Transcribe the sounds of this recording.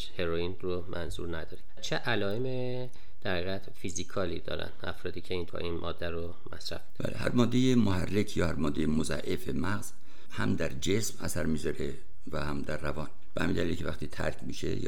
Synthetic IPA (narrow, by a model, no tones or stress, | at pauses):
ʃheɾoinromʔænzṵɾnæd̪ɒːɾi | t͡ʃʰeʔælɒːeme | d̪̥æɾhiːɣæt̪fizikʰɒːlid̪ɒ̰ːɾæ̰nʔæfɾɒːd̪iːcʰeint̪ʰɒ̰ʔinmʔɒ̰ːd̪ːæɾo | mæsɾæ̰fe̥bæ̰ːlehæ̰ɾmɒːd̪ːejemohærːekʰjɒːhæɾmɒːd̪ːejemozæ̰ʔefemæɣz̥ | hæmd̪æɾd͡ʒesmæsæɾmiːzɒɾe | væhæmd̪æɾːævɒːn | b̥ehæmind̪ælilcʰe̞væxt̪iːt̪ʰæ̰ɾkʰmiːʃḛj